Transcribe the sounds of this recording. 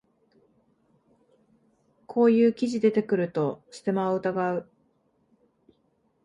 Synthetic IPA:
kʰo̞ːjɯ̟ːkʲiʑid̪e̞t̪e̞kɯ̟ɾɯ̟t̪o̞ɕɨ̥t̪e̞maoɯ̟t̪aɡaɯ̟

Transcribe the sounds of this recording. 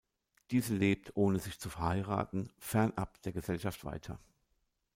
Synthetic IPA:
d̥iːzəleːp̚tʰʔoːnəzɪçt͡sufɛɐhaɪʁa̰ːtn̩fɛɐnʔa̰p̚d̥eːɐɡəzɛlʃaftv̥a̰ɪtʰɐ̰

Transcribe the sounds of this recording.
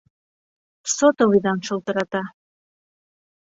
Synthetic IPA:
sot̪olid̪ɑnʃŏlˠt̪ɤ̆ɾɑt̪ɑ

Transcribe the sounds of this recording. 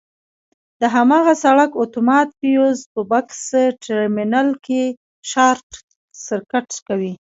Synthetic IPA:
d̪əɦamɑɣasaɽakot̪omɑt̪̚pijozpəbaksʈɪɾminalke | ʃɑɾʈ | sɪɾkaʈkawi

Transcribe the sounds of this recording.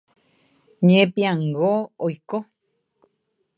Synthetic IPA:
ɲẽpiãŋɡoojko

